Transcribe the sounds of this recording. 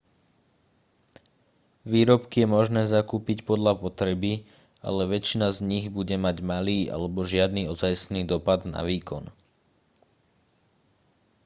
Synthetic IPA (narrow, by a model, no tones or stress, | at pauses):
ʋiːɾɔpkijɛmɔʒnɛːzakuːpicpɔd̪ʎapɔt̪ɾɛbi | a̰lɛʋɛt͡ʃinazɲiɣbuɟɛmaɟmaliːʔa̰lɛbɔʒɪad̪niːɔzajsniːd̪ɔpad̪na̰ʋiːkɔn